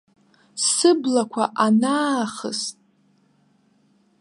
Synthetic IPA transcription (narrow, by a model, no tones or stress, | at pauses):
sɨblakʷʰaʔanaːχə̰stʼ